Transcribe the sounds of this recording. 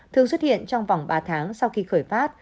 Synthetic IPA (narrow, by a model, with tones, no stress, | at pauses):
t̪ʰɨ˨˧˩əŋswə˦˥t̚hḭ˧˨ənt͡ɕɔ˧wŋ͡mva˨˩wŋ͡mɓaː˧t̪ʰaː˨˦ŋsa˧wxi˧xəː˧˩jfaː˦˥t̚